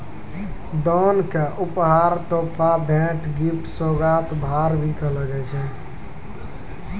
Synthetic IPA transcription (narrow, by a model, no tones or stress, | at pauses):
d̪ɔnkeʔupɦaɾt̪oːpabʱɛ̃ʈɡip̚ʈsoɡat̪bʱaɾbʱikələɡɛt͡ʃʰɛ̃